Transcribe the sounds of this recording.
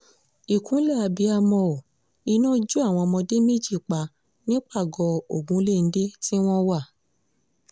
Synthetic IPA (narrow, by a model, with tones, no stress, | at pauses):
i˨kũ˨˦lɛ˦˨a˧bi˨˧˦a˧mɔ̃˧˨ | i˧nã˦d͡ʒu˦a˦˨w̃ɔ̃˧mɔ̃˧de˦me˦d͡ʒi˦˨k͡pa˨˧ | nĩ˦k͡pa˦˨ɡɔ˧o˨ɡ͡bũ˨˦le˦˨n̩˦de˦ti˦w̃ɔ̃˦wa˦˨